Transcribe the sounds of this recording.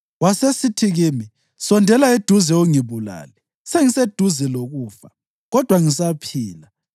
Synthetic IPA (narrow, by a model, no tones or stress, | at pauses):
wasesitʰiɣimi | sɔndʱɛlaed̥ʱuzɛuŋiβula̰ːlɛ | seŋised̥ʱuzɛloɣuːfa | ɣɔd̥ʱwaŋis̬apʰiːla